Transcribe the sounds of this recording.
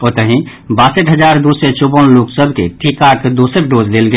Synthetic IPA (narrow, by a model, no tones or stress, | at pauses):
oːt̪əɦĩ | baːsəʈɦəd͡ʒaːɾd̪uset͡ʃobənloksəbʱkeʈʰikakd̪osəɾɖoːzlelɡə